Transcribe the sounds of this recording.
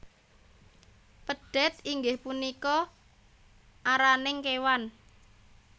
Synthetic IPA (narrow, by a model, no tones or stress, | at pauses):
pəɖ̥ɛ̤t̪iŋɡɪhpunikɔ | ʔaɾanɪŋkewan